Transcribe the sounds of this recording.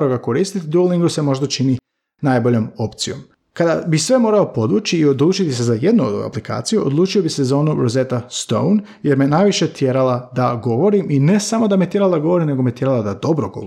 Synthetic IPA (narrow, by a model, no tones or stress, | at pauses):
ɾoɡako̞ɾiːst̪it̪id̪uliŋɡuse̞mo̞ʒd̪at͡ʃini | najbo̞ʎo̞mo̞pt̪sijo̞̰m | kad̪abisʋe̞mo̞ːɾao̞po̞d̪ʋut͡ʃiːo̞d̪lˠuːt͡ʃit̪is̬ezaje̞d̪nuo̰a̰plika̰ːt̪sijuʔo̰d̪lˠuːt͡ʃio̞bise̞zo̞ːnuɾozet̪ast̪o̞̰wn | je̞ɾmenajʋiʃe̞t̪je̞ɾalad̪aɡo̞ʋo̞ɾimine̞samod̪amet̪je̞ɾalad̪aɡo̞ʋo̞ɾimne̞ɡo̞met̪je̞ɾalˠad̪ad̪o̞bɾoɡo̰